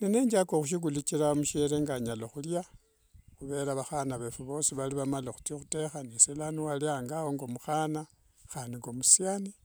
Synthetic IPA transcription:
nineːɲd͡ʒakoxuʃ̬iɡulit͡ʃiɾamuʃeɾeŋɡaɲaloxulja | xuβe̞ɾaβaxanaβefuβo̞ːsiβaliβamalexu̥tixute̞xanisilaniwaliaːŋɡawoŋɡo̞muxana | xandiŋɡomusiani

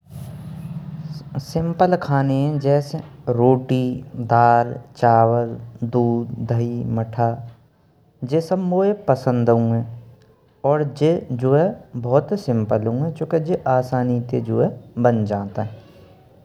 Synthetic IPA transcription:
sɪ̃mpəlkʰaːneɦɛ̃d͡ʒɛːseɾoːʈid̪aːɾt͡ʃaːwəld̪uːd̪d̪ʱəiməʈʰa | d͡ʒesəbboːepəsə̃nd̪ɦũɛ̃ | ɔːɾd͡ʒed͡ʒoːɛbɔːt̪sɪ̃mpəlɦũɛ̃t͡ʃõːked͡ʒeʔaːsaːnit̪ed͡ʒoːɛbənd͡ʒãːt̪aɦɛ̃

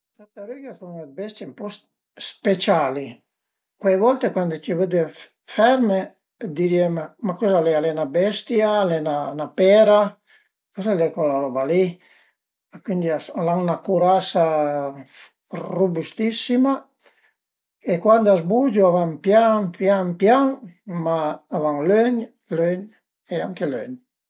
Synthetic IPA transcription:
t̪at̪aɾiɡasoŋebɛst̪jempɔs | spet͡ʃali | kwevɔlt̪ekwand̪ot͡ʃivəd̪e | fɛɾme | d̪iɾiemmakɔzalɛalenabɛst̪jaːlenanapɛɾa | kozalɛkolalɔvali | akwind̪iasalaŋnakuɾasa | rubust̪isima | ekwand̪azbud͡ʒuavampjapjampjaŋmaːvaŋløɲ | løɲ | eaŋkeløɲ

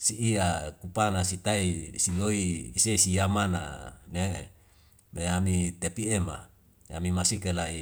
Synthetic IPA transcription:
siiakupanasit̪aisiloiːsesijamana̰ne | meamit̪epiema̰ | a̰mimasikelai

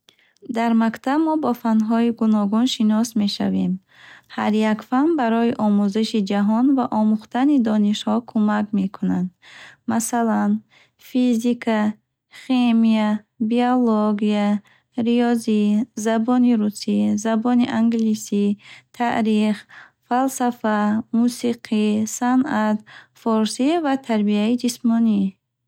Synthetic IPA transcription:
d̪aɾmakt̪ʰabmɔbɔfanɦɔiɡunɔɡunʃinɔsme̞ʃa̰ve̞m | haɾjakfanbaɾɔiʔɔmuziʃid͡ʒaɦɔnvaʔɔmuχt̪ʰanid̪ɔniʃhɔkʰumakme̞kʰunand̪masalan | fizikʰa | χemia | bioloɡia | ɾiɔzizabɔniɾusizabɔniʔaŋɡlisit̪ʰaʔɾiχ | falsafamusiqʰisanʔat̪fɔɾsivat̪ʰaɾbiaid͡ʒismɔni

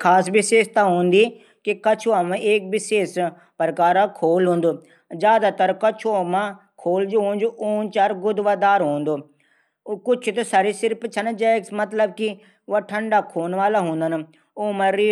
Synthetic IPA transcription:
kʰaːsʋɪʃeːʃt̪aɦõːnd̪iː | kikət͡ʃʰuamãʔeːk̚bɪʃeːs | pəɾkaːɾãkʰoːlɦõːnd̪oː | d͡ʒjaːd̪aːt̪əɾkət͡ʃʰomãː | kʰoːld͡ʒoɦõːnd͡ʒoːʔoːnt͡ʃaːɾɡʊd̪ʋaːd̪aːɾɦoːnd̪oː | kʊt͡ʃʰt̪osaɾiːsɪɾpt͡ʃʰənd͡ʒɛmət̪ləb̚ki | ʋaːʈʰəɳɖaːkʰoːnʋaːlaːɦõːnd̪ən | oːmãɾi

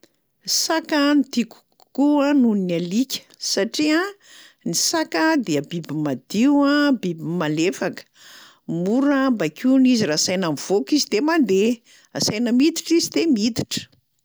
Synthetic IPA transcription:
sakənt̪iku̥ | kuãnuninalikʲə̥saʈ͡ʂia | nisakəd̪eəbibimad̪̥iwãbibimalefakə̥ | muɾambakʲunizirasajnamv̥okizid̪emand̪e | asajnəmid̪i̥ʈ͡ʂizid̪emid̪i̥ʈ͡ʂə̥

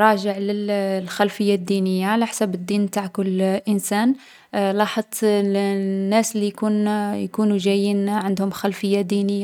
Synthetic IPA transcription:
ɾˤɑʒəʕləllxælfəjːad̪ːinəjːaʕalaħsæbəd̪ːiːnbt̪aʕkʊlːʔənsæn | lɑħəd̪ˤ | nːæslːijkunjkunuʒæjːinʕənd̪hʊmxælfəjːad̪inəjːa

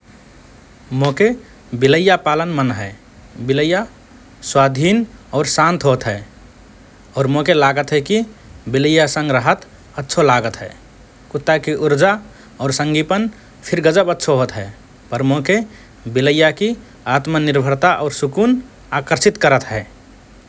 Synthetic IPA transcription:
moke | biləjːapalənmənɦɛ | biləjːa | swad̪ʱinɔːɾsãnt̪ʰɦot̪ɦɛː | ɔːɾmokelaɡət̪ɦɛkibiləjːasə̃ŋɡɾəɦət̪ | ətːʃʰolaɡət̪ɦɛ̰ː | kut̪ːakiʔuɾd͡ʒa | ɔːɾsə̃ŋɡipən | pʰiɾɡəd͡ʒəbətːʃʰoɦot̪ɦɛ | pəɾmoke | biləjːaki | at̪məniɾbʱəɾt̪aʔɔːɾsukun | akəɾsit̪kəɾət̪ɦɛː

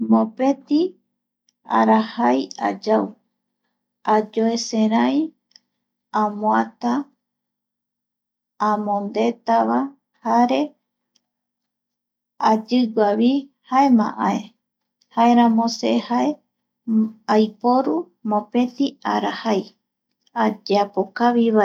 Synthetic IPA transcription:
mõpe̞t̪i | a̰ɾahaja̰d͡ʒaw | ad͡ʒoeseɾaj | ãmõat̪a | mõnd̪e̞t̪aβa | haɾe̞ | ad͡ʒɨɡʷaβihae̞mã̰ʔãe | hae̞ɾãmõsehae | ajpo̞ɾu | mõpẽ̞t̪iaɾahaj | ad͡ʒeapokaβiβae

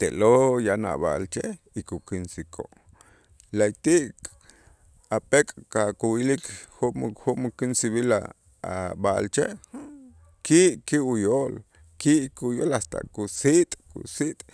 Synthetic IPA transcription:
t̪eʔlojana̰ɓa̰ʔlt͡ʃe | ikukinsikʰo̰ʔ | lajt̪iʔk | apekʼkakuwilikxumxumkinsiɓila̰ | a̰ɓaʔlt͡ʃeʔ | kiʔkiujoːl | kiʔkujolast̪a̰ʔkusit̪ʼkṵsit̪ʼ

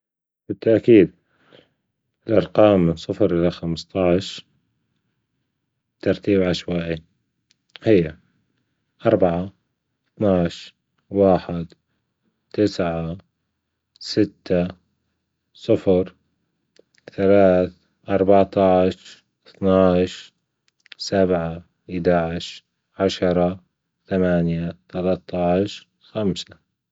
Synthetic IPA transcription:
bɪt̪ːaʔkiːd̪̚ | ɪlʔɑɾˤqɑːmɪnsˤɨfɾʔɪlːaxamst̪ˤɑʕʃ | t̪ɑɾˤt̪iːbʕaʃwaːʔi | hɪjːa | ʔɑɾˤbaʕa | θnaʕʃ | waːħɪd̪ | t̪ɪsʕa | sɪt̪ːa | sˤɨfɾ | θalaːθ | ʔɑɾˤbaʕt̪ˤɑʕʃ | θnaʕʃ | sabʕa | ʔɪd̪aʕɪʃ | ʕaʃɑɾˤɑ | θamaːnjat̪alat̪ˤːɑʕʃ | xamsa

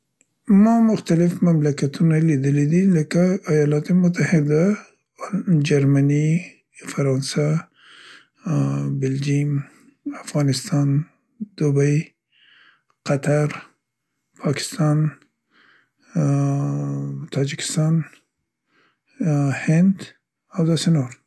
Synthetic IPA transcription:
mɔmʊxt̪alɪfmamlakat̪ʰunalid̪ɪlid̪ilɪkaːjɑlɑt̪emʊt̪ahɪd̪a | d͡ʒaɾmani | faɾɑnsa | bɪld͡ʒim | afɣɑnɪst̪ɑn | d̪̥ubaj | qat̪ʰaɾ | pʰɑkʰɪ̥st̪ɑn | t̪ʰɑːd͡ʒikʰɪ̥st̪ɑn | hɪnd̪ | awd̪asɪnoɾ

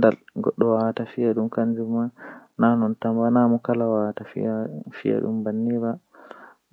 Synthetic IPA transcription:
ndalɡɔ̰ɗːɔwawatafijaɗumkand͡ʒumananɔntambanamɔkalawawtafḭafḭja̰ɗṵmbanːiɾa

